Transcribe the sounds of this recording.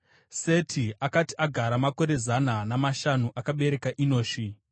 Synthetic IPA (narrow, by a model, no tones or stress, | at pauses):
se̞tʰiakati̥aɡʱaɾamako̞ɾe̞zananamaʃanuʔakaɓe̞ɾe̞kaʔino̞ːʃi